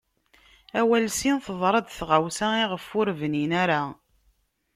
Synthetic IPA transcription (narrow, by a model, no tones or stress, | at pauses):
æwælsinθəðˤɾˤɑd̪θʁawsæiʁəfːʊɾvəninæɾa